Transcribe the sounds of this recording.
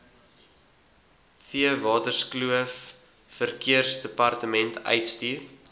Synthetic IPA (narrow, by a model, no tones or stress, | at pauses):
fiəvɑːtərskluəfː | ərkiərsdəpɐrtəmɛntʰœ̰jtstiːr